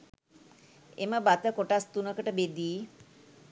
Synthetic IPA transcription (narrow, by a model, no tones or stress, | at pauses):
ḛməbat̪əkoʈast̪unəkəʈəbed̪iː